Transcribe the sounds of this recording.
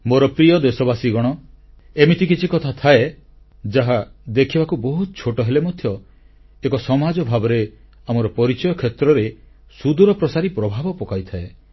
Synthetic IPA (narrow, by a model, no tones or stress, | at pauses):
moɾɔpɾijɔd̪esɔbasiɡɔɽ̃ɔ | emit̪ʰikit͡ʃʰikɔt̪ʰat̪ʰae | d͡ʒaɦad̪ekʰibakubɔɦut̪ɔt͡ʃʰoʈɔɦelemɔd̪ʱjɔ | ekɔsɔmad͡ʒɔbʱabɔɾe | amɔɾɔpɔɾit͡ʃɔjɔkʰːet̪ɾɔɾe | sud̪uɾɔpɾɔsaɾipɾɔbʱabɔpɔkajt̪ʰae